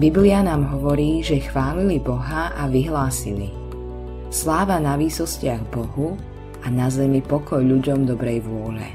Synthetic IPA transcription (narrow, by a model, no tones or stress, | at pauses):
biblianaːmɦɔʋɔɾiːʒɛxʋaːlilibɔɦaʔaʋiɦlaːsḭlḭ | slaːʋanaʋiːsɔscɪaɣbɔɦu | anazɛmipɔkɔjʎuɟɔmd̪ɔbɾɛjʋʊɔʎɛ̰